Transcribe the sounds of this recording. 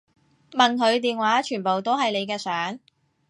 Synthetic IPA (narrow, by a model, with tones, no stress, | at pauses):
mɐ˨nɦɵ˨˧ɥt̪iː˨nwaː˨˥t͡ʃʰyː˨˩npo˨wt̪o˥wɦɐ˨jle˨˧jk̬ɛː˧sœː˨˥ŋ